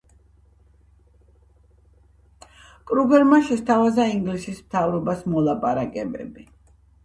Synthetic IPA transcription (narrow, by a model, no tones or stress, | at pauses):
kʼɾuɡɛɾmaʃɛst̪ʰavazaiŋɡlisismt̪ʰavɾɔbasmɔlˠapʼaɾakʼɛbɛ̰bi